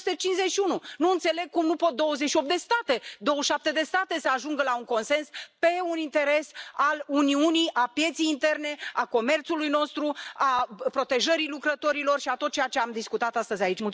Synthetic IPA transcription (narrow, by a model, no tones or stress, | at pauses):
t̪et͡ʃinʃze̞t͡ʃʃiununuɨnt̪se̞leɡ̚kumnupo̞t̪̚d̪o̞wəzeʃio̞p̪̚d̪est̪at̪e̞d̪o̞wəʃap̚t̪e̞d̪e̞st̪at̪e̞səaʒuŋɡəlauŋko̞nse̞nspe̞unint̪e̞ɾe̞saluniunijapje̞t̪siejint̪e̞rne̞ako̞me̞rt̪sulujno̞st̪ɾuapɾo̞t̪e̞ʒəɾilukɾət̪o̞ɾilo̞rʃiat̪ot̪̚t͡ʃejat͡ʃe̞amd̪iskut̪at̪ast̪əzʲait͡ʃul